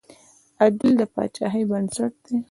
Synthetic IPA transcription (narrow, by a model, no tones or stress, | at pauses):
ad̪ɪld̪əpɑ̰t͡ʃɑ̰ɦəjbansaʈ̚d̪̥e